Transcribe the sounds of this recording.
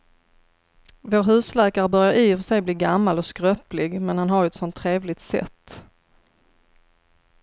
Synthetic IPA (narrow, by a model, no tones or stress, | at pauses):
voːɾɦʉ̟ːslɛːkaɾəbœɾjaɾʔifœʂɛjbliːɡamːalɔskɾœːplɪɡmɛnhanɦaɾjɵɛt̪sɔnt̪ʰːɾeːvlɪɡ̚t̪sɛ̰t̪ː